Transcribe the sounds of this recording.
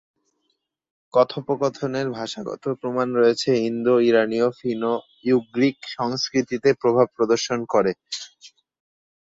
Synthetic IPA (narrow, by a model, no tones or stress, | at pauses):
kɔt̪ʰopokɔt̪ʰoneɾbʱaʃaɡɔ̰t̪ʰopɾomanɾoet͡ɕʰeɦind̪oiɾaniofino | juɡɾikʃɔŋskɾit̪it̪epɾobʱab̚pɾod̪oɾʃonkoɾe